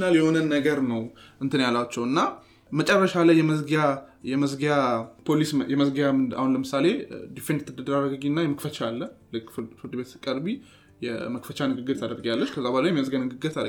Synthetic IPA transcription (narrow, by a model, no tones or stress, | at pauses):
naljɛho̞nənːəɡəɾnəwʔɨnt̪ʰɨnjalːat͡ʃːɛwɨnːa | mət͡ʃʼɛrːəʃalajːɛməsɡjajɛməzɡjapʰolisjɛməzɡjaa̰hunləmɨsale̞d̪ifend̪t̪ʰːɨd̪əd̪ɨɾarəɡəɡinːajɛməkfət͡ʃalːəlɨkːfɨɾd̪ɨbe̞t̪sɨkʼəɾbi | jɛ̰məkfət͡ʃanɨɡɨɡɨɾt̪ʰad̪əɾɡjalːət͡ʃːkʰəzːabalajɛmiməszɡjanɨɡɨɡɨɾt̪ʰad̪